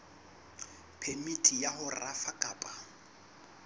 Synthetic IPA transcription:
pʰemitʼijaɦʊrafakʼaːpʼa

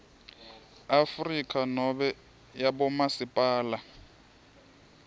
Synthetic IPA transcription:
afrikʼanɔbɛ | jabɔmasɪpʼaːla

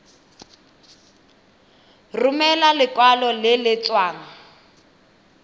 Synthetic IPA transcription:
rumɛlalɪkwalɔlɪlɪt͡swaːŋa

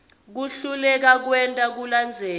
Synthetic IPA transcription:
k̬uɬulɛk̬ak̬wɛntʼak̬uland͡zʱɛː

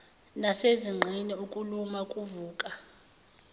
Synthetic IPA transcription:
naseziŋ͡ǃʱiniukʼulumakʼuvuːkʼa

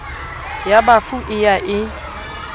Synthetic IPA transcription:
jabafuʔɪjaʔɪ

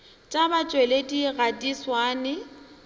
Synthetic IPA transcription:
t͡ʃʼabat͡ʃʼwelediɣadʼiswaːnɪ

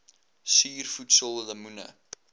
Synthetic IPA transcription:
siːrfutsəlˠləmunə̰

